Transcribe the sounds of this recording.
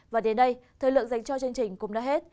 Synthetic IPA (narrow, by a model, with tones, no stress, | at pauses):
vaː˨˩ɗe˨˦nɗə˧jt̪ʰəː˨˩jlɨ̰˧˨əŋza˨˧˩jŋ̟t͡ɕɔ˧t͡ɕɨ˧əŋt͡ɕï˨˩ŋ̟kʊ̰˧˥ŋ͡mɗaː˨˦ɦe˦˥t̚